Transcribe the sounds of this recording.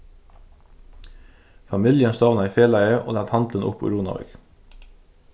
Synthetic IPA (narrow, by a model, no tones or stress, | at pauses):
fɑmɪljənst̪oːʋnɑiːfeːlæɪəʔo̰ːlɑːlt̪hɑnd̪lənʔʊ̰pʰṵɾuːnɑ̰ʋḛɡ